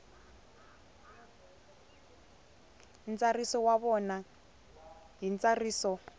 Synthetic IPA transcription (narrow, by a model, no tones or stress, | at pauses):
nt͡sarisɔwaβɔna | ɦint͡sariːsɔ